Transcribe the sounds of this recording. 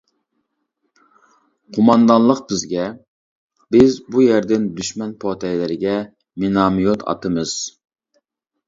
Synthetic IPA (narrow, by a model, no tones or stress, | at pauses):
qʰomɑnd̪ɑnlˠəqbɪzɡʲɛ | b̥ɪzbujæɾd̪ɪnd̪yʃmɛnpʰot̪ʰɛjlɪɾɪɡʲɛ | menɑmijot̪ʰɑ̰t̪ʰɨmɨz̥